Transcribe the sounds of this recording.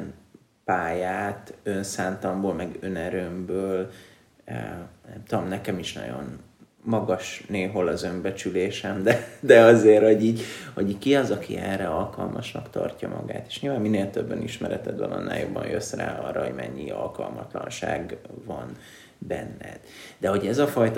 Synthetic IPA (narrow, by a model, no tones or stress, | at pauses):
n | paːjaːt̪ø̞nsaːnt̪ɒmboːlmɛɡønɛɾømbøːl | nɛmt̪od̪omnɛkɛmiʃnɒ̰ɟo̞̰n | mɒɡɒʃneːɦo̞lɒzø̞mbɛt͡ʃyleːʃɛmd̪ɛd̪ɛɒzeːrhoɟiːɟhoɟiːkiɒzɒkiɛrɛɒlkɒlmɒʃnɒkt̪ɒ̰rcɒmɒ̰ɡa̰ːt̪e̥ːʃɲilvaːmminːeːlt̪øbːøniʃmɛɾɛt̪ɛd̪bɒnɒnːa̰ːjobɒnjø̞sra̰ːɒrːɒho̞̰ɟmɛɲːiɒ̰lkɒlmɒt̪lɒ̰nʃa̰ːɡvɒn | bɛnːɛ̰d̪̥d̪ɛho̞ɟɛzɒfɒjt̪